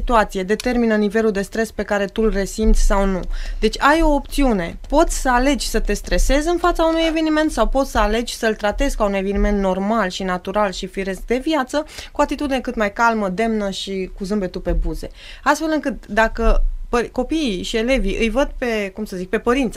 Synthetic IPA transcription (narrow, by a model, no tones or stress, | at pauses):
it̪uat̪sije̞d̪e̞t̪e̞rminənive̞luld̪e̞st̪ɾe̞spe̞kaɾe̞t̪ulre̞simt̪sʲsawnud̪e̞t͡ʃʲajo̞ːpt̪siune̞po̞t̪sʲsəale̞d͡ʒʲsət̪e̞st̪ɾe̞se̞zɨnfat̪saunuje̞ve̞nime̞nt̪sawpo̞t̪sʲsəale̞d͡ʒʲsəɨlt̪ɾat̪e̞zkaunue̞venime̞nt̪no̞rmalʃinat̪uɾalʃifiɾe̞s̚d̪e̞vjat̪səkuat̪it̪ud̪ine̞kɨt̪majkalməd̪e̞mnəʃikuzɨmbe̞t̪upe̞buze̞̰ | ast̪fe̞lɨŋkɨt̪d̪akəpəko̞piiʃie̞le̞viʔɨjvəd̪̚pe̞kumsəzik̚pe̞pəɾint̪s